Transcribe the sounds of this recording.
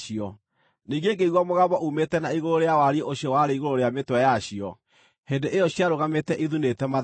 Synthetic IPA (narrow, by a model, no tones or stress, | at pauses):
iɔ | niːɡeɡeiɣwamoɣabɔʔumetɛnaiɣoɾoɾeawaɾieʔoɕjɔwaɾeiɣoɾoɾeametwɛjaɕiɔ | hendeʔejɔɕiaɾoɣametɛʔiðunetɛma